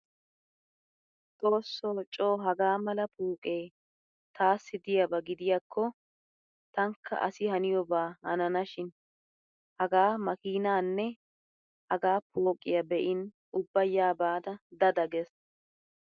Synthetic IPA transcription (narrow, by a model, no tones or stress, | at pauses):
t̪ʼo̞ːsːoːt͡ʃʼo̞ːɦɐɡaːmɐlɐpʰuːkʼe̞ː | t̪aːsːɪd̪ɪjɐbɐɡɪd̪ɪjakʰːɔ | t̪ɐŋkʰːɐ̰ʔɐ̰sɪhɐnɪjɔbaːhɐ̰nɐnɐʃɪn | hɐɡaːmɐkiːnaːnːɛ | hɐɡaːpʰoːkʼːɪjɐbɛʔɪn | ʊbːɐjːaːbaːd̪ɐd̪ɐd̪ɐɡɛs